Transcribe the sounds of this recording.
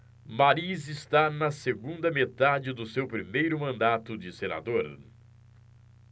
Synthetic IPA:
maɾizɪst̪anɐseɡũnd̪ɐmet̪ad͡ʒɪd̪ʊsewpɾimejɾʊmɐ̃nd̪at̪ʊd͡ʒɪsena̰d̪oɾ

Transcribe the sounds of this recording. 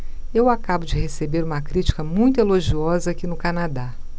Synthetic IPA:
ewakabʊd͡ʒɪhesebeɾũmɐkɾit͡ʃi̥kɐmũj̃t̪ʊeloʒiɔzɐakinʊkanad̪a

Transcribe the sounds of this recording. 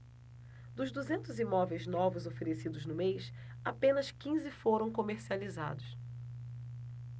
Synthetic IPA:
d̪ʊzd̪uzẽnt̪ʊzimɔvejznɔvʊzofeɾesid̪ʊznʊmejsapẽnɐskĩzɪfoɾɐ̃w̃komeɾsializa̰d̪ʊs

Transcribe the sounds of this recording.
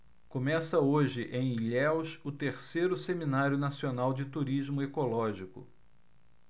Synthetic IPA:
komɛsɐoʒɪʔẽj̃ʎɛwʃʊt̪eɾsejɾʊseminaɾjʊnasionawd͡ʒɪt̪uɾizmʊekolɔʒikʊ̰

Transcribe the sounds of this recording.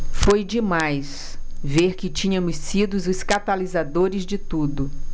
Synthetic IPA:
fojd͡ʒɪmajs | veɾkɪt͡ʃĩɲɐmʊsːid̪ʊzʊskat̪alizad̪oɾɪzd͡ʒɪt̪ud̪ʊ

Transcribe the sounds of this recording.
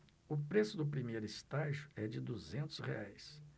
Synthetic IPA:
ʊpɾesʊd̪ʊpɾimejɾʊɪst̪aʒjʊɛd͡ʒɪd̪uzẽnt̪ʊ̥sheajs

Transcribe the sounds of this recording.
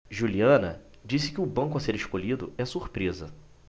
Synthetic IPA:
ʒuliɐ̃nɐ | d͡ʒisɪ̥kɪʊbɐ̃ŋkʊɐseɾeʃkoʎid̪ʊ̰ɛsuɾpɾezɐ

